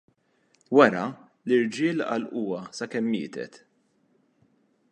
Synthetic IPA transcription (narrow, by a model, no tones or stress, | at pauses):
wɐɾɐ | lɪɾd͡ʒɪːlɐ̰lʔuːɐsɐkɛmːɪ̰ːt̪ɛ̰t̪